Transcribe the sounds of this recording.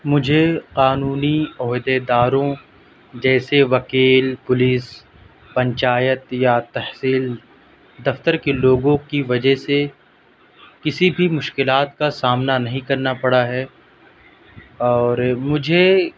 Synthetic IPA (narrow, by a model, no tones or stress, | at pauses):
mʊd͡ʒʱeqaːnuːniɔːɦd̪ed̪aːɾõ | d͡ʒɛːseʋɐkiːlpʊliːs | pɐ̃ɲt͡ʃaːjət̪jat̪ɐhsiːl | d̪ɐft̪əɾkeloːɡõkiʋɐd͡ʒəɦse | kɪsibʱimʊʃkɪlaːt̪kasaːmnanɐɦĩkɐɾnapɐɽaɦɛː | ɔːɾmʊd͡ʒʱe